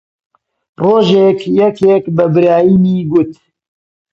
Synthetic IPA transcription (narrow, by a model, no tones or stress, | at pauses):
roːʒekjɛkʰekbɐbɨɾaːjiniːɡʊt̪